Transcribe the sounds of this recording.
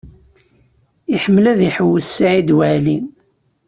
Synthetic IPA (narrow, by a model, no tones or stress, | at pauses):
iħəmːlæðiħəwːəsːaʕid̪wæʕlin